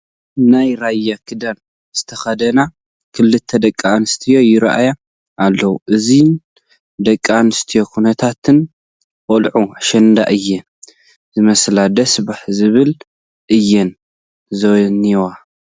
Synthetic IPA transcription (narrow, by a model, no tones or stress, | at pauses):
najɾajːakʰɨd̪an | z̥ɨt̪ʰɐxɐd̪ɐna | kʰɨlːɨt̪ʰːɐd̪ɐkʼːanɨst̪ʰijo̞jɪɾʔa̰ja | ʔalːɐwuʔɨzin | d̪ɐkʼːanɨst̪ʰijo̞kʰunɐt̪ʰat̪ʰɨn | ʔʼolʕuaʃɐnd̪a̰ʔɨjːɛ | zɨmɐslad̪ɐsbaħzɨβɨl | ʔɨjːɛn | zoniwa